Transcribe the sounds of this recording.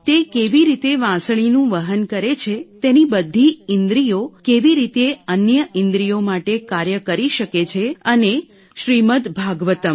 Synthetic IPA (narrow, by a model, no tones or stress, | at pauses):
t̪ekeʋiɾit̪eʋãsɭ̃inũʋəɦənkəɾet͡ʃʰet̪enibəd̪ʱːiɪnd̪ɾijokeʋiɾit̪eənjəʔɪ̃nd̪ɾijomaʈekaɾjəkəɾiʃəket͡ʃʰeəne | ʃɾimət̪bʱaɡʋət̪əm